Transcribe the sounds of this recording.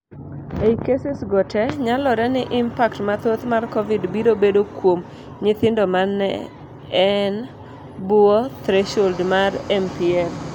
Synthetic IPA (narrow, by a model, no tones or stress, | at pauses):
eikesɪsɡɔtʰɛɲalɔɾɛnɪʔɪmpaktmat̪ot̪markɔvɪdbiɾobedokwom | ɲɪt̪ɪndɔmanːɛ̰ | ɛn | buɔt̪ɾeʃoldmarɛmpiɛl